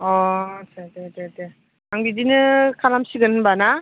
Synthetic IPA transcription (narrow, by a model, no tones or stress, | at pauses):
ɔsʰadedede | aŋbidinɯkʰalamsiɡɯnbana